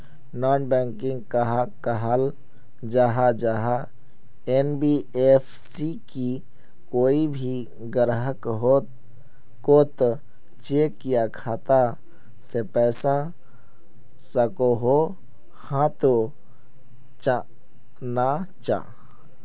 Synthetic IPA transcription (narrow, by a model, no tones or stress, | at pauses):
nɔːnbɛŋkɪ̃ŋɡ̚kəɦakəɦal | d͡ʒaɦad͡ʒaɦa | enbiepʰsiki | koːibʱi | ɡəɾɦəkɦot̪ | kot̪ | t͡ʃekːijakʰaːt̪a | sepɛːsa | səkoɦo | hãt̪o | t͡ʃa | na | t͡ʃa̰